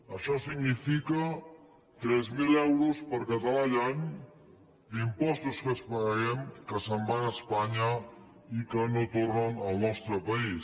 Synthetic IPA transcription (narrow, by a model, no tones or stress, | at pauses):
əʃɔsiɡnifikə | t̪ɾɛzmilɛwɾuspəɾkət̪alaʎaɲ | d̪impɔst̪uskəspaɣaɛmkəsəmbanəspaɲa | ikənot̪orənəlˠnɔst̪ɾəpɐis